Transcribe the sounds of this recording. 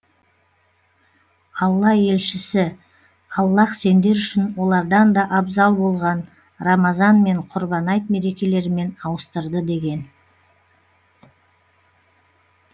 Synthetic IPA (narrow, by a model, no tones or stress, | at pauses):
qʰɑlˠːɑe̞lʃɪsɪ | qʰɑlˠlːɑqse̞nd̪e̞ɾʏʃɪnwo̞lˠɑɾd̪ɑnd̪ɑʔɑbzɑlˠbo̞lˠʁɑn | rɑmɑzɑnme̞ɴqʰʊɾbɑnɑjt̪me̞ɾe̞kʲe̞le̞ɾme̞nɑwəst̪əɾd̪əd̪e̞ɡʲe̞n